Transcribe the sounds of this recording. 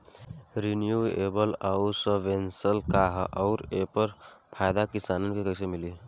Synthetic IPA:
ɾinjuebəlausəʋensəlkaɦaʊɾepəɾpʰajd̪akisanənkekəɪsemili

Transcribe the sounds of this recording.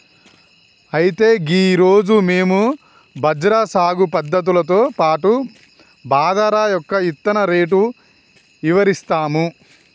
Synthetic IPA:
ɐjit̪e̞ːɡiːɾo̞ːd͡ʒume̞ːmu | bʱɐd͡ʒɾaːsaːɡupɐd̪ːɐt̪̬ulɐt̪̬o̞ːpaːʈu | baːd̪ɐɾaːjɔkːɐit̪ːɐnɐɾeːʈ̬u | iʋɐɾist̪aːmu

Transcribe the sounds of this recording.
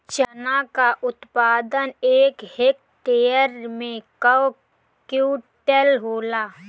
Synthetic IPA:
t͡ʃənakaʔʊt̪paːd̪əneːkhɪk̚ | ʈeːjəɾmẽkəw | kjuːʈelɦoːlaː

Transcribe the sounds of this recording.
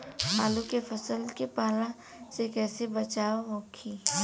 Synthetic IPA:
ɦaːlukefɐsəlkepaːlã | sekɛːsebɐt͡ʃaːoɦõkʰi

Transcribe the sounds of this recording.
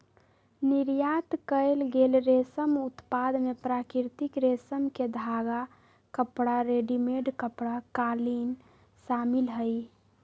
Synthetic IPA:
niɾjat̪kəɪlɡelɾesəmut̪pad̪mepɾakiɾt̪ikɾesəmked̪ʱaɡa | kəpɽaɾeɖimeɖkəpɽakalin | samilɦəj

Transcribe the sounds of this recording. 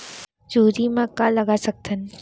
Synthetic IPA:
d͡ʒuːɾimãkːalɐɡasɐk̚t̪ən

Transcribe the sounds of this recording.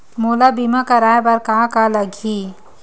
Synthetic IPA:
molabimakəɾaːebəɾkãkaləɡʱi

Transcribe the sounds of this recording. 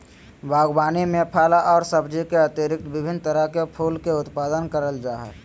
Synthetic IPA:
bʱaːɡbaːnimepʰalaʔɔːɾsəbd͡ʒikeət̪eɾɪk̚t̪bɪbʱɪnt̪əɾəɦkepʰuːlkeʊt̪paːd̪ənkəɾəld͡ʒaːɦə̰

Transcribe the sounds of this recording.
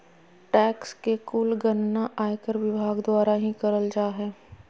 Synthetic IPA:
ʈɛːkskekulɡənːaʔaːjkəɾʋɪbʱaːɡd̪waːɾaɦĩkɐɾəld͡ʒaːɦɛː

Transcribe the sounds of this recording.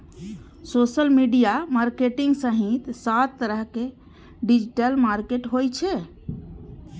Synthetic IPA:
sosəlmiɖijamaɾkeʈiŋɡsəɦit̪sat̪ːəɾəɦke | ɖid͡ʒiʈəlmaɾkeʈɦojt͡ʃʰɛ

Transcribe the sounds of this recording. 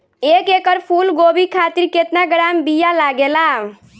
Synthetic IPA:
ekekəɾpʰulɡobikʰat̪iɾket̪naɡɾambijalaɡela

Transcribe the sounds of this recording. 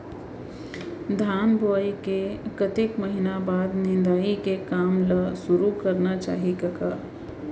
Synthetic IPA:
d̪ʱaːnboːikekət̪ekməɦɪnabaːd̪nɪnd̪aːikekaːmləsʊɾukɐɾnat͡ʃa̰ːɦikɐkaː

